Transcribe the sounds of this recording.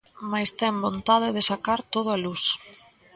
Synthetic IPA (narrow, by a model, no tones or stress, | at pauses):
majst̪ɛŋbont̪aðɪðɪsakaɾt̪oðʊalus